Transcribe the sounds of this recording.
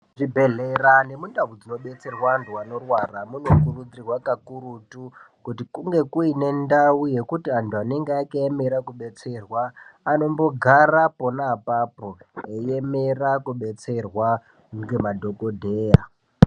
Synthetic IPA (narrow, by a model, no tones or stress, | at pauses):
ʐibʱe̞ɮerane̞mundaʋud͡zino̞ɓe̞t͡se̞rwantuano̞rwaramuno̞kurud͡zirwakakurutu | kutikuŋɡe̞kuine̞ndauje̞kutiantuane̞ŋɡeːkaeme̞ɾakuɓe̞t͡se̞rwaːno̞mbo̞ɡʱarapo̞naːpapo̞ejeme̞rakuɓe̞t͡se̞rwa | ɡemadʱo̞ko̞dʱe̞ːja